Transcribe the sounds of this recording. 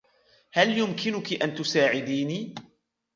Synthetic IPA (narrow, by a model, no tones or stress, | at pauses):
haljʊmkɪnʊkiʔant̪ʊsaːʕɪd̪iːniː